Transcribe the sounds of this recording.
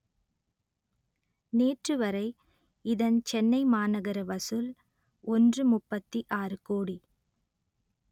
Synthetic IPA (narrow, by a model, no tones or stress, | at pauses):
neːʈrɯʋɐɾɐɪ | ɪðɐnt͡ʃɛnːɐɪmaːnɐɣɐɾɐʋɐsɯl | ɔndrɯmʊpːɐt̪ːiʔaːɾɯkoːɽi